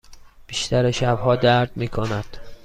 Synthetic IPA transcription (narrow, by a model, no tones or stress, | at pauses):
b̥iːʃt̪ʰæɾeʃæbhɒːd̪æɾd̪miːkʰonæd̪̥